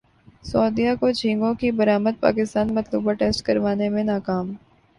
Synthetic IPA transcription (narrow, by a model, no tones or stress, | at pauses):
sɔːd̪ijakod͡ʒʰĩːŋɡõkibɐɾaːməd̪̚pa̰ːkɪst̪aːnmɐt̪lṵːbaʈeːsʈkɐɾʋaːnemẽnaːkaːm